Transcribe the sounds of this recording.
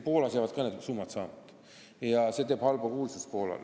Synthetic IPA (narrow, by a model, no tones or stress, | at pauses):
poːlɑsjaːvɑd̪kɑːned̪sumːɑt̪sɑ̰ːmɑt̪ | jɑse̞t̪eːb̥hɑlbɑkuːlsespo̞ːlɑ̰l